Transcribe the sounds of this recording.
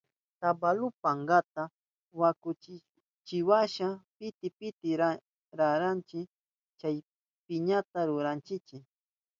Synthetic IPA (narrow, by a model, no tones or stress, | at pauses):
t̪abalʊpaɴɡat̪a | wakʊt͡ʃɪ | t͡ʃɪwaʃapɪt̪ɪpɪt̪ɪɾa | ɾaɾant͡ʃɪ | t͡ʃaj | pɪɲat̪aɾʊɾant͡ʃɪt͡ʃɪ